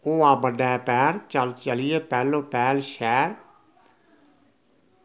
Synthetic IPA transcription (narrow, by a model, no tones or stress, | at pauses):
oːaːbəɖaɛpɛːɾt͡ʃəlt͡ʃəlɪjeːpɛːloːpɛːlʃɛːɾ